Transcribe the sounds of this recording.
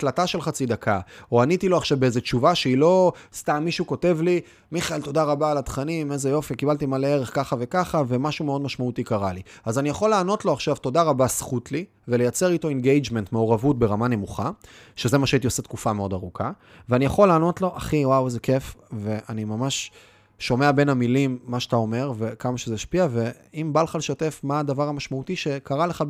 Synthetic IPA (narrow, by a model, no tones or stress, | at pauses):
tlataʃe̞lχat͡sid̪akʰaoanitilo̞aχʃavbeezet͡ʃuvaʃeilo̞stamːiʃuko̞te̞vli | miχaelto̞daʁabaːlat̪χanime̞zejo̞fikibaltimaleeʁe̞χkaχave̞kaχave̞maʃumeo̞dmaʃmaut̪ikaʁaliazanijaχo̞leːno̞tlo̞aχʃavto̞daʁabasχutli | vele̞jat͡se̞ʁito̞enɡejd͡ʒme̞ntmeoʁavut̚be̞ʁamane̞muχa | ʃe̞zemaʃaitio̞set̪kufameo̞daʁukʰa | veanijaχo̞leaːno̞tlo̞ʔaχiwawzeke̞fve̞ʔanimamaʃ | ʃo̞me̞abe̞namilimːaʃat̪ao̞me̞ʁve̞kamaʃezeʃpiave̞ | imbalχalʃate̞fmaːdavaʁamaʃmautiʃe̞kaʁale̞χa